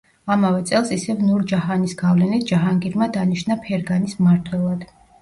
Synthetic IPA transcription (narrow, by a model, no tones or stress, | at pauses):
amavɛt̪sʼɛlˠsisɛvnuɾd͡ʒaɦanisɡavlɛnit̪̚ʰd͡ʒaɦaŋɡiɾmad̪aniʃnapʰɛɾɡanismaɾt̪ʰwɛlˠad̪̥